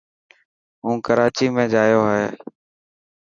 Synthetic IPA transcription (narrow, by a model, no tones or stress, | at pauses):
ɦũːkəɾaːt͡ʃiːmẽːd͡ʒaːjoːɦɦeː